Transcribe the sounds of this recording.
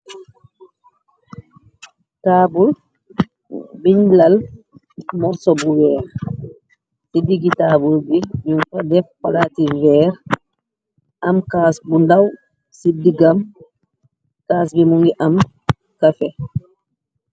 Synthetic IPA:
taːbul | biɲlal | mɔɾsɔbuwɛːɾ | sidiɡitabulbiɲuŋkɔdɛfkalaːtivɛːɾ | ʔamkaːsbundaw | sidiɡam | kaːsbimuŋɡiʔam | kafɛ

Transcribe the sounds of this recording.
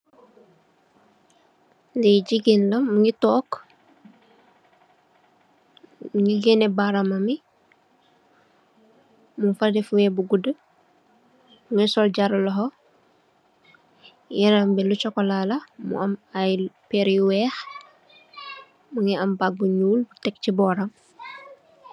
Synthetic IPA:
dɛɟiɡinlɐmuŋitɔːk | muŋiɡɛnɛbaɾamɐmi | muŋfadɛfuwɛbuɡudə | muŋisɔlɟaɾulɔɦɔ | jɛɾɐmbɛlut͡ʃɔkːɔlalɐmṵʔɐmajpeɾiwɛːx | muŋiɐmbak̚buɲuːlbutɛk̚cibɔːɾam

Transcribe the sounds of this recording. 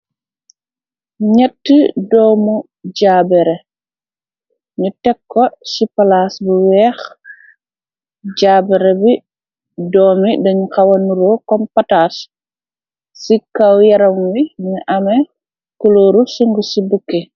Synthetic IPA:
ɲɛtːədɔːmu | ɟaːbɛɾɛ | ɲutɛkːɔsipalaːsbuwɛːx | ɟaːbɛɾɛbi | dɔːmidɐɲukɐwɐnuɾokɔmpɐtaːs | sikɐwjɐɾɐmwiɲuʔɐmɛ | kuloːɾusuŋɡusibukːe

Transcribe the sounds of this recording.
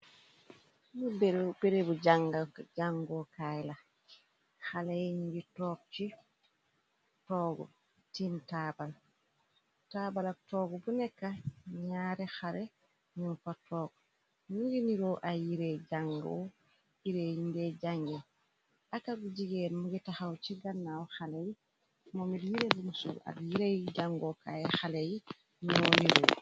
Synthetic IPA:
mubbɛɾebud͡ʒaŋɡad͡ʒaŋɡɔkajla | xalɛɲiɡitɔːk̚t͡ʃi | tɔːɡɔ̰ | tintabal | taːbalatɔːɡɔbunɛkːaɲaːɾɛxaɾɛ | ɲunfatɔːɡɔ | nuɡiniɾɔʔajiɾɛd͡ʒaŋɡɔ̰ | iɾeindɛd͡ʒaŋɡɛ | ʔakaɡud͡ʒiɡɛnmuɡɛtaxawt͡ʃiɡanːawxalɛji | mɔmiljiɾebumusɔ̰la̰ljiɾejd͡ʒaŋɡɔkaɛxalɛji | noniɾɔ̰

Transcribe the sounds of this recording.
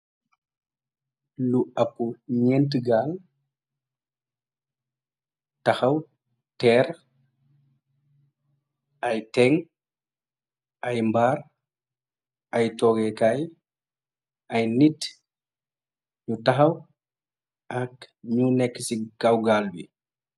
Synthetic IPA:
luɐpːuɲɛnt̬əɡaːl | tɐxɐw | tɛɾ | ajtɛŋ | ʔajmbaːɾ | ʔajtɔːɡɛkaj | ɐjnit | ɲutɐxɐw | ʔɐkɲunɛkːəsiɡawɡaːlbḭ

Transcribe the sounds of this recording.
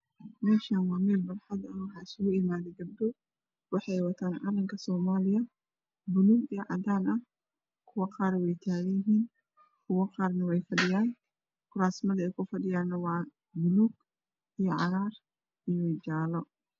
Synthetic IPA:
mɛːʃaːnwɑːmɛːlbɐlħɑd̪ɐnwʊħɑɪsʊɣʊɪmaːðɛɡɐb̚d̪ɔ | wɑħɑjwɐt̪ʰaːnʕɑlɐmkʰɐsɔːmaːlɪjɐ | bʊluːɡijɔʕɑ̰d̪aːnɐh | kʰʊwɑqɑːɾwɛjt̪ʰaːɣɐjɪɦiːn | kʰʊwɐqɑːrnɐwɛjfɐɖɪjaːn | kʰʊɾaːsmɐðɐɛjkʰʊfɐɖɪjaːnːɐwɑː | bʊluɡ | ijɔʕɑɾaːr | ijɔwɛd͡ʒaːlɔ

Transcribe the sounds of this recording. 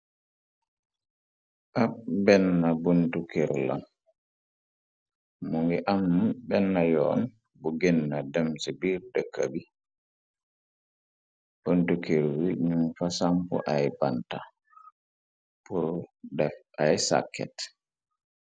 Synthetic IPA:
ʔabɛnːabuntukɛɾla̰n | muŋɡɛʔamːbɛnːajɔːn | bɔɡɛnːadɛmsɛbiɾdɛkabi | b̥ontukiɾwiɲumfasampɔ̰ʔajbanta | pɔdɛf | ajsa̰kːɛ̰t

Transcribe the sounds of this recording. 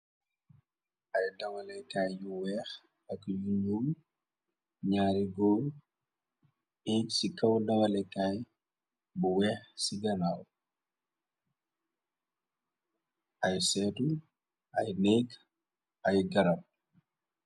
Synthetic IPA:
ʔɐjdɐŋɐlɛkajjuwɛːx | ɐkjuɲuw | ɲaːɾiɡɔː | ɛksikɐwdɐŋɐlɛkaj | buwɛːxsiɡɐnaw | ʔɐjsɛtu | ʔɐjnɛk | ɐjɡɐɾɐp̚

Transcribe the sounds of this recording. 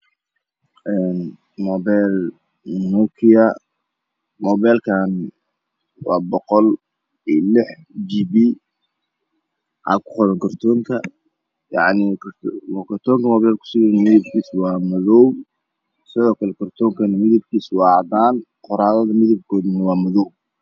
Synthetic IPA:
ʔɛn | mɔːβɛjl | nukʰɪɐ | mɔːβɛːlkʰan | wɑːbɔqɔl | ilɪħ | d͡ʒibi | ʔa̰ːkʰʊ̥qɔɾɐŋkʰɐrt̪ʰɔːŋkʰɐ | jɑ̰ʕnikʰkʰɐrt̪ʰɔːŋkʰɐmɔːβɛlkʰʊ̥sɪɣɛnɐmɪðɪb̚kʰiːswɑːmɐðɔww | sɪðɔːkʰɐlɛkʰɐrt̪ʰɔːŋkʰɐnɐmɪðɐb̚kʰiːswɑːʕd̪aːn | qɔɾaːðɐðɐmɪðɐb̚kʰɔːd̪nɐwɑːmɐðɔwb̚

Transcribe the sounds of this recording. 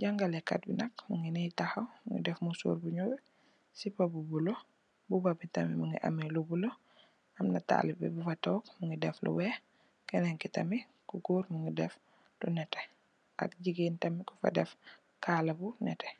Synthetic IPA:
ɟaŋɡalɛkːa̰t̚binɐkmuŋɡinitaxɐwmŋɡḭdɛfmusṵːɾbuɲɔːb | sipabubulo | bubabitɐmimuŋɡiʔɐ̰milubulo | ɐmnɐta̰libɛ̰bufɐtɔːkmuŋɡidɛflṵwɛ | kɛnɛŋkitɐmi | kuɡuːɾmuŋɡidɛf | dunɛtɛ̥ | ʔa̰k̚ɟiɡiːntɐmiku̥fɐ̰dɛf | kaːlɐbunɛ̰tɛ̥

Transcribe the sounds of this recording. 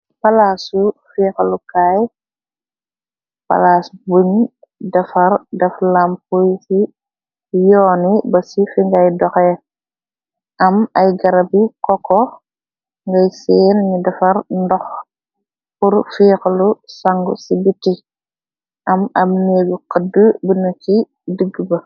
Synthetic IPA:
palasufiːxlukaːj | pa̰laːsbuɲ | dɐfɐɾdɐflampujsi | jɔːnibɐsifiŋɡɐjdɔxɛ | ʔɐmɐjɡɐɾɐbikɔkɔ | ŋɡɐjsɛːnɲidɐfɐɾndɔx | puɾfiːxlusaŋɡṵsibitːi | ʔɐmɐmneːɡuqədəbunɐki | dəɡːbɐ

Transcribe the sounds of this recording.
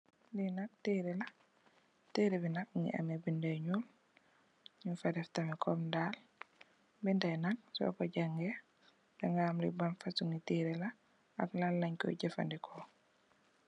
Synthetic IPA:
linak̚teɾila | teːɾibinak̚uŋḭʔa̰mɛbindaɲul | ɲufadɛftamikɔmndal | bindɛjnak̚sɔ̰kɔɟaŋɡɛ | dɛŋɡaːmlḭbanfasuŋitiɾɛla | aklalːaɲkɔ̰ɟɛfa̰ndikʰɔ

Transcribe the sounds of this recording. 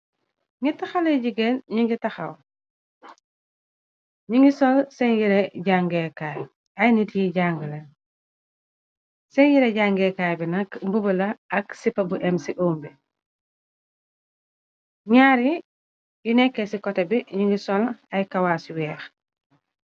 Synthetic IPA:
ŋɡitɐxɐlɐɟiɡenɲiŋɡitɐxɐ̰w | ɲiŋɡisɔlsɛɲjiɾeɟaŋɡɛkaːj | ɐjnitjiɟaŋɡəlɐ | sɛɲjiɾɛɟaŋɡɛkaːjbinɐkmbubulɐɐksipːɐbuʔɛmsiʔoːmbi | ɲaːɾi | jinɛkːesikɔtɐbiɲiŋɡisɔlɐjkɐwaːsiwɛːx

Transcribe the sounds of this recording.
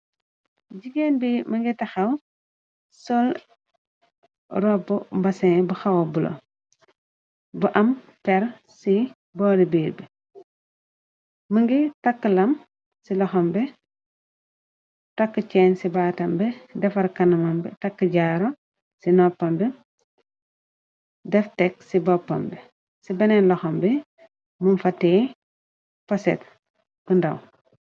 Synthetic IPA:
ɟiɡenbimɐŋɡitɐxɐw | sɔl | ɾɔbubɐseŋbuxawobulo̰ | buʔɐm | pɛɾ | si | bɔːdibiːɾbɛ | mɐŋɡitakːəlɐm | silɔxɐmbɛ | tɐkːət͡ʃɛːnsibaːtɐmbɛdɛfɐɾkɐnɐmɐmbɛ̰takːəɟaɾo | sinɔpːɐmbɛ | dɛftɛksibɔpːɐ̰mbɛ | sibɐnɛnlɔxɔmbɛ | munfɐtːɛː | pɐsɛ̰t̚ | bundɐ̰w

